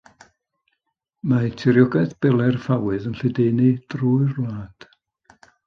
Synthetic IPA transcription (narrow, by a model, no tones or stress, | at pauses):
matʰɪɾjɔɡajθb̥ɛlˠɛrfawɨðənɬɪdeːnidruːɨrlˠaːd̥